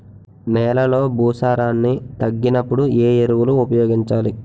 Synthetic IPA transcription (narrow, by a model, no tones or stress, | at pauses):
mɛːlɐlo̞ːbuːsaːɾaːnːit̪ɐɡːinɐpːuɽue̞ːeɾuwuluːpɐjoːɡiɲt͡ʃaːli